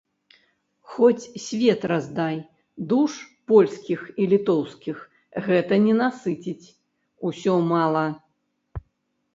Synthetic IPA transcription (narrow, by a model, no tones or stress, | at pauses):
xɔt͡sʲsʲvʲɛt̪razd̪aj | d̪uʂpɔlʲskʲixilʲit̪ɔwskʲix | ɣɛt̪ɐnʲɛnasɨt͡sʲit͡sʲ | usʲɔmalˠɐ